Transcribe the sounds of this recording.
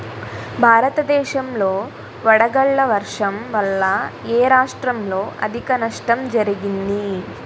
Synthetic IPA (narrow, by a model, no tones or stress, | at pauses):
bʱaːɾɐt̪ɐd̪ɛːʃɐmlo̞ː | ʋɐɽɐɡɐɭːɐʋɐɾʂɐmʋɐlːɐeːɾaːʂʈɾɐmlo̞ːʔɐ̰d̪ʱikɐnɐʂʈɐmd͡ʒɐɾiɡind̪i